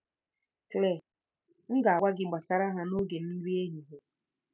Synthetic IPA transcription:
kle˦˨ | ŋ̩˦ɡa˨a˨kʷa˦ɡɪ˨ɡ͡ba˨sa˨ɾa˦ɦa˦no˦ɡe˨n̩˦i˦ɾi˦e˦ɲi˨ɦo˦

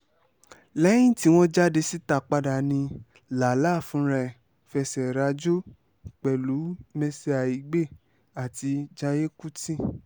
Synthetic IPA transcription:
lɛ˦j̃ĩ˦ti˦w̃ɔ̃˦d͡ʒa˦de˧si˦ta˧˨k͡pa˧da˨nĩ˧ | la˨la˦˨fũ˨˦ɾɛ˧˨ | fɛ˧sɛ˨ɾa˧˦d͡ʒo˦ | k͡pɛ˨lu˨˦mɛ˧se˧˦a˨i˨˦ɡ͡be˦˨ | a˨ti˧d͡ʒa˧je˦ku˦tĩ˦˨

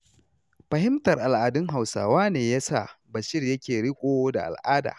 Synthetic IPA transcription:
ɸɐ˨hɪ˦mtɐ˨rʔa˨lʔaː˨dʊ˦ŋɦa˨wsa̰ː˨waː˦neː˨ja˦sa̰˦˨bɐ˨ʃɪ˦rjɐ˦kʲeː˨ɽɪ˦kʷʼoː˦da̰˨ʔa̰˨lʔaː˦da̰ː˨

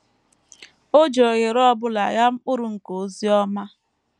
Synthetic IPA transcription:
o˦d͡ʒo˨ɣe˨ɾɔ˦bʊ˦la̰˨ja˦ŋ͡m̩˦k͡pʊ˦ɾʊ˨ŋ̩˨ko˨zi˦ɔ˦ma˦

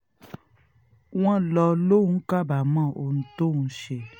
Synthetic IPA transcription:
w̃ɔ̃˦lɔ˧lo˦˨ũ˦ka˦˨ba˨mã˦˨ʔo˧˨nũ˦to˦˨ũ˦ʃe˧˨

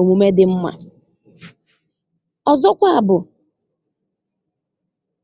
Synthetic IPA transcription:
o˨mu˨me˦dɪ˨m̩˦ma̰˨ | ɔ˨zɔ˦kʷa˦a˨bʊ˨

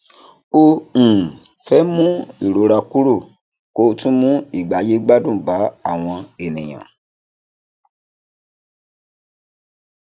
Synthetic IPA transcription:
õ˧˨ | fɛ˦mũ˦i˦˨ɾo˨˦ɾa˧ku˦ɾo˦˨ | ko˦tũ˦mũ˦i˦˨ɡ͡ba˨˦je˦ɡ͡ba˦dũ˦˨ba˨˦a̰˦˨w̃ɔ̃˧e˨nĩ˨j̃ã̰˨

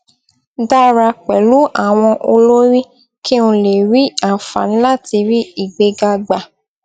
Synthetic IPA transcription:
da˦ɾa˧k͡pɛ˨lu˦a˦˨w̃ɔ̃˧ʔo˧lo˦ɾi˦ | ki˦ũ˧le˨ɾi˦a˦˨fa˨ñ̩˦la˦˨ti˧ɾi˦i˦˨ɡ͡be˧ɡa˧ɡ͡ba˨

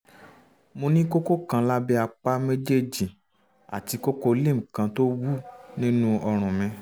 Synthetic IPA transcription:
mo˧nĩ˦ko˦ko˦kã˧la˦bɛ˦a˧k͡pa˦me˦d͡ʒe˦d͡ʒi˨ | a˨ti˨˧ko˦ko˧lĩ˦˨kã˧to˦wu˦nĩ˦nũ˦ɔ˧ɾ̃ũ˨mĩ˨˧

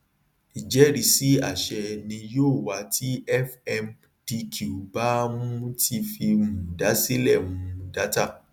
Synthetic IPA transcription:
i˨d͡ʒɛ˨˦ɾi˨˦si˨˦a̰˦˨ʃɛ˧nĩ˧joː˦˨wa˨˦tʰi˦ɛ˦fɛ˧m | d̥i˧kʰu˨u˨ba˦mũ˦tʰi˧fi˧mũ˨da˨˦si˦lɛ˦˨mũ˨˦˧da˦ta˦˨

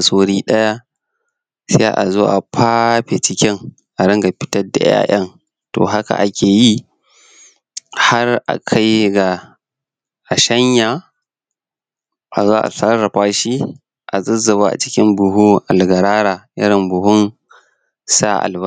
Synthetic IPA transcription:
a˨soː˦ɽiː˦ɗɐ˦ja˦ | sḛː˦ʔa̰˨zoː˦ʔa˨pʰaː˦ɸe˨t͡ʃɪ˦kʲɪ˦ŋ | ʔa˨ɽɪ˦ŋɡa˨ɸɪ̥˦tɐ˦da̰˨ja̰ː˦˨ʔɐ˦ŋ | to̰ː˨ɦa˦ka̰˨ʔa˦kʲeː˨ji˦ | ha˦rʔa̰˨kʰa˦jɡa˨ | ʔa˨ʃɐ˦ɲja˨ | ʔa˨zoː˦ʔa̰˨sɐ˦rːɐ˨ɸaː˦ʃi˦ | ʔa̰˨zɪ˦zːɐ˨βaː˦ʔa̰˨t͡ʃɪ̥˦kʲɪ˦mbʊ˨ɦu˦ʔa˨lɡɐ˨ɾaː˦ɾa˨ʔɪ˦ɾɪ˨mbʊ˨hʊ˦n | sa̰˦ʔa̰˨lbɐ˦

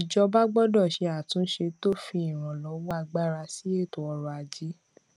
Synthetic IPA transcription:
i˨d͡ʒɔ˧ba˦ɡ͡bɔ˦dɔ˦˨ʃe˧a˨tũ˨˦ʃe˧to˦fĩ˧ĩ˦˨ɾ̃ã˨lɔ˨˦wɔ˦a˧ɡ͡ba˦ɾa˧si˨˦e˦˨to˨ɔ˧ɾɔ˧a˧d͡ʒi˦

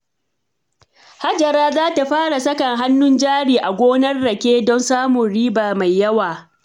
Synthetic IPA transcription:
ha˦d͡ʒɐ˨ɾaː˦zaː˦ta˨ɸaː˦ɽa˨sɐ˦kɐ˨ŋɦa˦nːʊ˦nd͡ʒaː˦ɽiː˨ʔa˨ɡʷoː˦nɐ˦rːɐ˨kʲeː˦dɔ˦nsaː˦mʊ˨nɽiː˦baː˨ma˨jːɐ˦waː˨

